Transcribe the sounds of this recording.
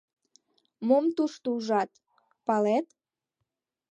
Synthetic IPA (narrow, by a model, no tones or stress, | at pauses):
momt̪uʃt̪uʒɑt̪ | pɑlet̪